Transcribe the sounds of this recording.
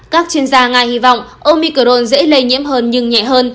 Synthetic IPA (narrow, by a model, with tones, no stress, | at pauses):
kaː˦˥k̚t͡ɕi˧ənzaː˧ŋa˨˩jhi˧vɔ̰˧˨wŋ͡mʔo˧mi˧kə˧˩ɾo˧nzḛ˧˥lə˧jɲḭ˧˥əmɦəː˧nɲɨ˧ŋɲɛ̰˧˨ɦəː˧n